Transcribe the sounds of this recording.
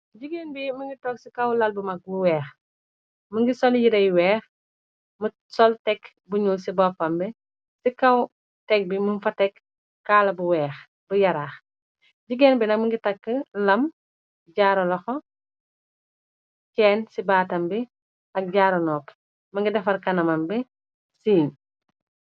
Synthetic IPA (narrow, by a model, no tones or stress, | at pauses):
ɟiɡeːnbimuŋɡitɔːksikɐwlɐlbumɐk̚buwɛːx | məŋɡisɔljiɾɐjwɛːx | mə | sɔltɛk | buɲulsibɔːfɐmbi | sikɐw | tɛk̚bimunfɐtɛk | kaːlɐbuwɛːx | bujɐɾaːx | ɟiɡɛːnbilɐkmuŋɡitɐkːəlɐm | ɟaːɾɐlɔxɔ | kɛːnsibaːtɐmbi | ɐk̚ɟaːɾɐnɔːp | mɐŋɡidɐfɐrkɐnɐmɐmbɛ | siːn